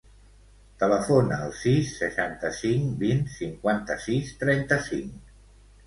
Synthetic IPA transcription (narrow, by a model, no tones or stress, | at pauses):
t̪ələfonəːlˠsisːəʃant̪əsiŋbinsiŋkwant̪əsist̪ɾɛnt̪əsiŋ